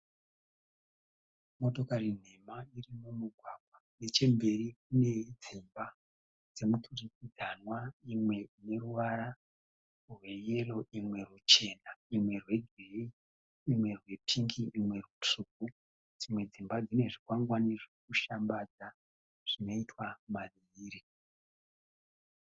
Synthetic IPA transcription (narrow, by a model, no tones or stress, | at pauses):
mo̞to̞karin̤e̞mairimumuɡʱwaɡwane̞t͡ʃe̞mbe̞rikune̞d͡zimba | d͡ze̞mutʰurikid͡zanwaimwe̞ine̞ruʋaɾa | rwe̞je̞lo̞imwe̞rut͡ʃe̞naimwe̞rwe̞ɡʱeiː | mwe̞rwe̞pʰiŋɡiːmwe̞rut͡ʂuk̚u | d͡zimwe̞d͡zimbad͡zine̞ʐikwaŋɡwaniʐekuʃambad͡za | ʐ̥ino̞itʰwamaʋiːɾi